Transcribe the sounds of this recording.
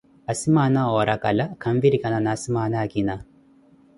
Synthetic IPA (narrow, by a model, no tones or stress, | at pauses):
ɐsimaːnɐoːɾɐkɐlɐkʰɐmʋiɾikɐnɐnɐsimaːnakina